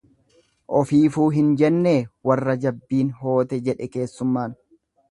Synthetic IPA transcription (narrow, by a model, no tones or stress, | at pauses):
ʔɔfiːfuːɦɪnd͡ʒɛnːe̞ːwɐrːɐd͡ʒɐbːiːnɦo̞ːt̪ɛd͡ʒɛᶑɛke̞ːsːʊmːaːn